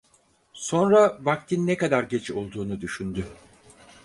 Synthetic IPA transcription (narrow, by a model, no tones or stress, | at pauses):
so̞nɾavak̚t̪ʰinːekad̪aɾɟet͡ʃo̞lˠd̪uːnud̪yʃynd̪y